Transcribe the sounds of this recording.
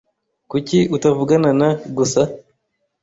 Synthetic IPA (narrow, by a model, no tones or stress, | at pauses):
kuciutavuɡananaɡusa